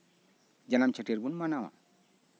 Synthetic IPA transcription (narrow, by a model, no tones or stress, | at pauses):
d͡ʒanamt͡ʃʰəʈeɾbunmanawa̰